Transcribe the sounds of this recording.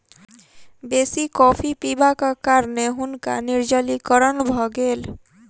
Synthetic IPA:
besikɔpʰipibakakaɾneɦunka̰niɾd͡ʒəlikəɾənbʱɔɡel

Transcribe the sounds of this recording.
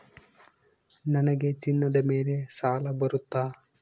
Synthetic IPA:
nɐnɐɡet͡ʃinːɐd̪ɐmeːlesaːlɐbɐɾut̪ːaː

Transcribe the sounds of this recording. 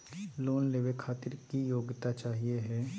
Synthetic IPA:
loːnleːʋekʰaːt̪ɪɾkijoːɡt̪at͡ʃaːɦieɦɛː

